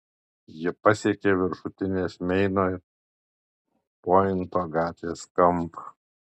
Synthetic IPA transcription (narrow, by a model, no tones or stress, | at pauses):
jɪpɐsʲeɛkʲeʋʲɪɾʃʊt̪ʲɪnʲeːsmʲɛɪnoː | poːɪnˑt̪oːɡɑːt̪ʲʋʲeːskɐmˑpɐ